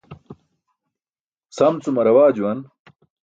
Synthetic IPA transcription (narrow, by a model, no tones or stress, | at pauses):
sɐmt͡sumɐɾɐwaːd͡ʑuwɐn